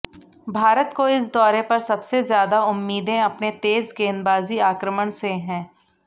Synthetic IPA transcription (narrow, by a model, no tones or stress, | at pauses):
bʱaːɾət̪koɪs̬d̪ɔːɾepɐɾsɐbsezjaːd̪aʊmːiːd̪ẽɐpnet̪eːzɡeːnbaːziaːkɾəməɳ̃seɦɛ̃ː